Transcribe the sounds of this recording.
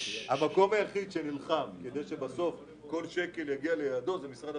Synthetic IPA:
hamako̞majaχid̪ʃenilχamked̪ejʃe̞baso̞f | ko̞lʃe̞ke̞ljaɡialejad̪o̞zemisʁad̪a

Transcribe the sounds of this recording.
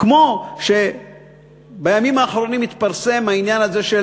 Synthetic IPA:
kmo̞ʃe̞ | bajamimaːχɾo̞nimit̪paʁse̞mhainjanaze̞ʃe

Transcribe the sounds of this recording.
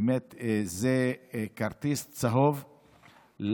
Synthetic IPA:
met̪zekaʁt̪ist͡saɦov | l

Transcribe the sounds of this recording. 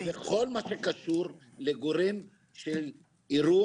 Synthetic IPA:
veχo̞lmaʃekaʃuʁ | leɡoɾim | ʃel | iɾu

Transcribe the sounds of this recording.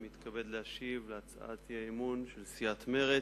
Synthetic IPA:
mit̪kʰabed̪leaʃivleat͡sa̰ʔa̰t̪jaemunʃelsiat̪me̞ʁe

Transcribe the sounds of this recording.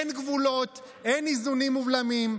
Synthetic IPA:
enɡvulot | ʔenizunimːuvlamim

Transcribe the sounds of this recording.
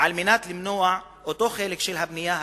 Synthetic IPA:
ʕalmɪnaːt̪lɪmnoːaʕ | ʔot̪ˤoːxeːlɪkʃɪlɦabnɪjːaː

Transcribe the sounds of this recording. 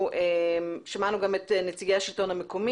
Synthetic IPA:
ʔeʃamanuɡametnet͡siɡeaʃilto̞nhamekomi

